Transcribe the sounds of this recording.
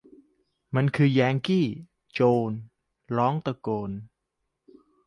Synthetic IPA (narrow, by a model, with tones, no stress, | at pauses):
ma˧nkʰɯː˧jɛː˧˥ŋkiː˥˩ | t͡ɕoː˧n | lɔː˦˥ŋt̪a˧˩koː˧n